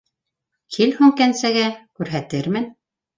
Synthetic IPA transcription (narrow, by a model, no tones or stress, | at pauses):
kʰilhʉŋkænsæɡækʉɾɦæt̪ɘɾmɘn